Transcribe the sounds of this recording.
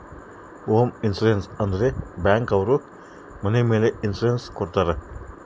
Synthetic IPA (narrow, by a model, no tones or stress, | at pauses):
oːminsuɾensɐnd̪ɾebaːŋkɐwɾu | mɐnemeːleinsuɾenskɔɾt̪aːɾɐ